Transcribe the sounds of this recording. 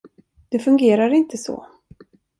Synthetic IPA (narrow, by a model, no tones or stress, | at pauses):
d̪̥ɛfɵŋɡeːɾaɾɪnt̪ʰəsɔ̰ː